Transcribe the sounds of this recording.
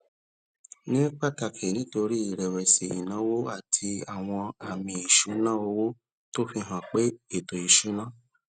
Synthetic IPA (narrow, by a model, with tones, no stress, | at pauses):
nĩ˦k͡pa˦˨ta˧˨kʰe˨nĩ˦to˧ɾi˦i˨ɾɛ˨wɛ˨se˨ḭ˨nã˨˦wo˦a˦˨tʰi˧a˨w̃ɔ̃˧a˨mĩ˧i˨ʃu˨˦nãː˦˨o˧˦wo˦ | to˦fi˧ɦã˨k͡pe˦e˦˨to˨i˨ʃu˨˦nã˦˨